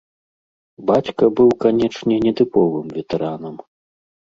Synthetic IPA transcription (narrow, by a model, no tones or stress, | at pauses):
bat͡sʲkɐbɨwkanʲɛt͡ʂnʲɛnʲɛt̪ɨpɔvɨmvʲɛt̪ɛɾanɐm